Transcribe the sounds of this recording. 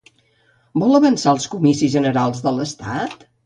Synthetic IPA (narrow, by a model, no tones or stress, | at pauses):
bɔləβənsaəlˠskumisizʒənəɾalˠzðələst̪a̰t̪